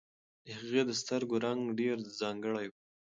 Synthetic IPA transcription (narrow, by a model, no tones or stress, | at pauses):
haɣed̪əst̪əɾɡoɾaŋɡɖeɾzɑŋɡəɽaj